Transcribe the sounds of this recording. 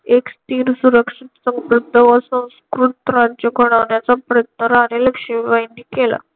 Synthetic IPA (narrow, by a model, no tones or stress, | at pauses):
ekst̪iːɾsuɾəkʂit̪sə̃ŋkɾud̪ʱːəʋəsə̃w̃skɾut̪ɾad͡ʑəɡʱoɽ̃aʋɳjat͡sapɾət̪̚nəɾaɾeləkʂiʋajnːikela̰